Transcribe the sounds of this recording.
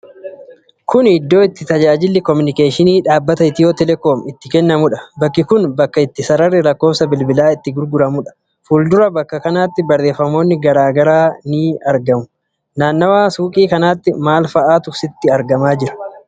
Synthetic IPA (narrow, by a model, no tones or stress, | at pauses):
kʰʊnɪd̪ːo̞ːɪt̪ːɪt̪ɐd͡ʒaːd͡ʒɪlːɪkɔmʊnɪke̞ːʃɪniːᶑaːbːɐt̪ɐɪt̪ːɪjoːt̪ɛlɛkoːmɪt̪ːɪkɛnːɐmʊᶑɐ̥bɐkːɪkʊnbɐkːɐɪt̪ːɪsɐɾɐrːɪɾɐkːo̞ːsɐbɪlbɪlaːɪt̪ːɪɡʊɾɡʊɾɐmʊᶑɐ̥ | fuːld̪ʊɾɐbɐkːɐkɐnaːt̪ːɪbɐrːe̞ːfːɐmo̞ːnːɪɡɐɾaːɡɐɾaːniːɐɾɡɐmʊ | naːnːɐwaːsuːkʼiːkɐnaːt̪ːɪmaːlfɐʔaːt̪ʊsɪt̪ːɪɐɾɡɐmaːd͡ʒɪɾɐ̥